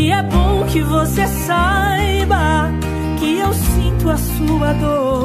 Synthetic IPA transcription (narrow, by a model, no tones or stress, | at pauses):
ɪɛbõw̃kɪvosesa | j | bɐ | kɪewsĩt̪ʊasuɐd̪oɾ